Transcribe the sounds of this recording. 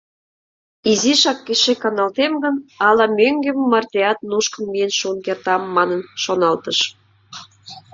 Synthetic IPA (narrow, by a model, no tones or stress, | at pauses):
iziʃɑkːeʃekɑnɑlt̪emɡə̆nɑlɑmøŋɡemmɑrt̪ʲeɑt̪nuʃkənmijenʃunkert̪ɑmːɑnə̆nʃonɑlt̪ə̆ʃ